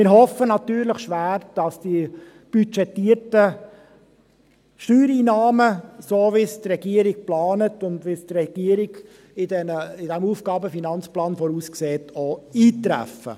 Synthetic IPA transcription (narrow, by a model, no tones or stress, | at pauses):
mɪɾɦɔfənɑtyːɾləχʃʋæːɾd̥ɑsd̥i | b̥yt͡ʃɛtːiəɾtə | ʃtyːɾiːnɑːməsoːʋɪstrɛɡiəɾik̚plɑːnətʊndʋɪstrɛɡ̥iəɾɪɡ | ɪdɛnəɪd̥ɛmuːfɡ̥ɑːbəfinɑnt͡splɑːnfɔɾuːskseːtʰoiːtɾæ̰fə̰